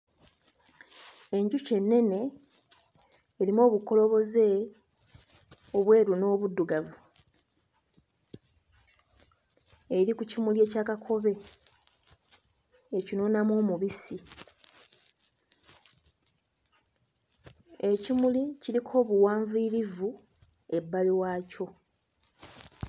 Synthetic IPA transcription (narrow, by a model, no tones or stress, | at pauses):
e̞ɲɟuce̞nːe̞ne̞ | ɾimo̞ːβuko̞lo̞βo̞ze̞ | o̞βwe̞ːɾuno̞ːβudːuɡavu | ɾikucimulje̞ːcaːkakʰo̞βe̞ | ecinonamo̞ːmuβisi | e̞cimuliciɾikʰo̞ːβuwaːɱviːɾivu | e̞bːaliwaːco̞